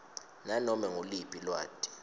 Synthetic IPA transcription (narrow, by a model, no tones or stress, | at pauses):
nanɔmɛŋolipʼilwa̰ːtʼi̥